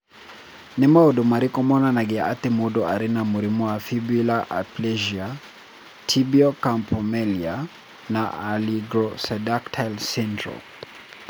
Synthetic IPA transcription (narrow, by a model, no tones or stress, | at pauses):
nimaɔɗumaɾikɔmɔnanaɡɛa̰t̪imuɗɔaɾinamuɾimuafibilaʔa̰plɛʒia | tʰibiɔkampʰɔmɛlia | naaliɡɾɔsɛdaktʰalsindɾɔ̰